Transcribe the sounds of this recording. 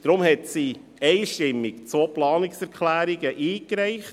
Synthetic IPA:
d̥ɾʊmhɛtsi | ɛɪʃtɪmːɪkt͡soplɑːnɪksɛɾkχlæːɾiɡəʔiːkɾɛɪχt

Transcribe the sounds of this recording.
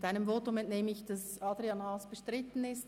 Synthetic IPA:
taɪnəmvoːtʊmɛntneːməɪçd̥ɑs | ɑːdɾiɑnhɑːsb̥əʃtɾɪtn̩ɪst

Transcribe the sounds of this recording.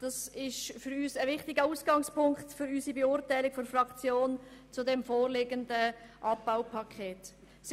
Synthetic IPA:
d̥ɑsɪʃfʏɾyːsəvɪχtɪɡəuːsɡ̥ɑŋspʊŋktfʏɾyːsibɛʊɾtaɪlɪkfɔnfrɑkt͡sjoːnt͡sudɛmfoːʁleːɡəndəʔɑp̚b̥aʊpʰɑkʰeːt | s

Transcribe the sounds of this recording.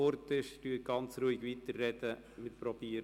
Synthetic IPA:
oɾtɪʃtyəɡ̥ɑnt͡sɾuɪɡʋitərːɛd̥̪ə | mɪtpɾɔb̥iː

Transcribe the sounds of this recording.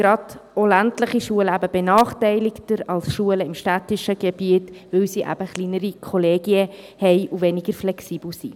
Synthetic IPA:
ɡ̥ɾɑdɔlæntləχiʃuələæbəbenɑːχtɛɪlɪktəɾɑlsʃuələɪmʃtætɪʃəɡebiətvɵwsiʔæ̰b̥əχliːnəɾikʰɔleːɡiə | hɛɪʔuvɛniɡəɾflɛksiːbl̩si

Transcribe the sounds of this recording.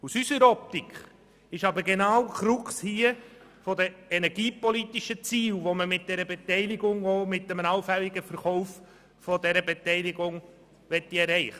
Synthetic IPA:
usysəɾɔp̚tikχ | ɪʃɑbəɾɡenaʊkɾʊkshiə | fɔdəɛnɛɾɡiːpɔlitiʃət͡siːlʋoməmɪt̚d̥ɛɾəbetɛɪlɪɡʊŋoːmɪt̚d̥ɛmənɑlfɛliɡəfəɾχɔʊf | fɔdɛɾəbetɛɪliɡʊŋ | vɛtːiɛɾɛɪχə

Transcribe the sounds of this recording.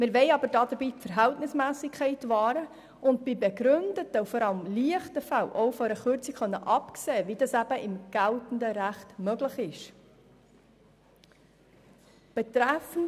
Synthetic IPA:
mɪɾʋɛɪɑbəɾdɑdəɾbiːpfəɾɦæltnɪsmæːsɪkʰːɛɪtvɑːɾə | ʊnt̚b̥ibɛɡɾʏndətəufɔɾɑləmliəχtəfælʔɔʊfɔɾəχʏɾt͡sikχœnːəʔɑpkseːvidɑsæbəʔɪmɡ̥æltn̩dəɾæχtmœɡlɪχɪʃ | b̥ɛt̪ɾæfən̩

